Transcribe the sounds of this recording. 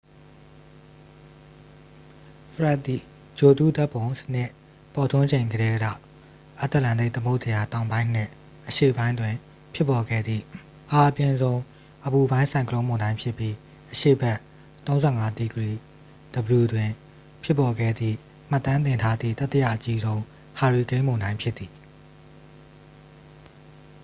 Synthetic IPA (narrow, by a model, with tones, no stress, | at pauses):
fʰəɹa˦˨t̪ːi˦˨ | d͡ʑo˨tu˦˨da˦ʔpːõ˨ʊ̃sə̥n̥ɪ˦˨ | pɔ˨tʰõ˦ɲd͡ʑẽ˨ŋɡəɾɛ˦ɡa̰˦˨ | ʔa˦t̪ə˦˨lã˨nd̪e˦˨t̪əmo˦ʔzə˨ja˨tã˨ʊ̃mbã˦ɪ̃n̥ɪ̰̃˦˨ | ʔəʃḛ˦˨bã˦ɪ̃ndwɪ̃˨ | pʰjɪ˦pːɔ˨ɡɛ̰˦˨d̪ðḭ˦˨ | ʔa˨ʔəpjɪ̃˨nzõ˦ʊ̃ | ʔəbu˨bã˦ɪ̃nsʰã˨ɪ̃ŋkʰəlõ˦mõ˨ndã˦ɪ̃pʰjɪ˦pːji˦ | ʔəʃḛ˦˨bɛ˦ʔ | t̪õ˦ʊ̃nzɛ˦˨ŋa˦d̪i˦˨ɡəɹi˨ | d̥əbəlu˨dwɪ̃˨ | pʰjɪ˦pːɔ˨ɡɛ̰˦˨d̪ðḭ˦˨ | m̥a˦˨t̪ːã˦nt̪ɪ̃˨ntʰa˦d̪ðḭ˦˨t̪ɛ˦tːə˦ja̰˦˨ʔət͡ɕi˦zõ˦ʊ̃ | ha˨ɹi˨kẽ˦ɪ̃mõ˨ʊ̃ndã˦ɪ̃pʰjɪ˦t̪ːi˨